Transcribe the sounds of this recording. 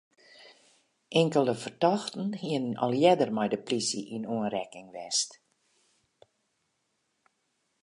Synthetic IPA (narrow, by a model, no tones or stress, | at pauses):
ʔɛŋkəlˠəfərtɔxtn̩hiənnɔ̰lˠjɛdərmɛjdəplisiʔinuənrɛkɪŋʋɛst